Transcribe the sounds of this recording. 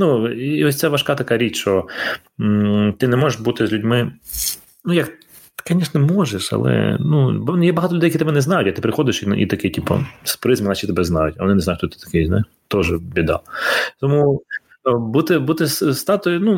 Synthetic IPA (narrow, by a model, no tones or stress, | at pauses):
nuiɔsʲt̪sɛʋɐʃkɑt̪ɐkɑɾʲit͡ʃt͡ʃɔ | t̪ɪnɛmɔʒeʃbut̪ɪzʲlʲʊdʲmɪ | nujɐk | kɐnʲɛʃnɔmɔʒeʃɐ̰lˠɛ̰nub̪jɛbɐɦɑt̪ɔlʲʊd̪ɛjɐkit̪bɛnɛznɑjʊtʲɐt̪ɪpɾɪxɔd̪ɪʃiḭt̪ɐkɪtʲipɐ̰spɾɪzmɪnɐt͡ʃʲit̪ɛbɛznɑ̰jʊ̰tʲɐ̰ʋɔnɪnznajʊt͡ʃt̪ɔt̪ɪ̥t̪ɐ̥kɪzna̰ | t̪ɔʒɛbʲid̪ɑ̰t̪ɔmu | but̪ɪbut̪ɪsst̪ɑt̪ʊjʊnu